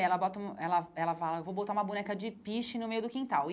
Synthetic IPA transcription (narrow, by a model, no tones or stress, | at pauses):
ɛlɐbɔt̪ɐũmɐɛlɐɛlɐfalɐewvowbot̪aũmɐbunɛkɐd͡ʒɪpiʃɪnʊmejʊd̪ʊkĩt̪aw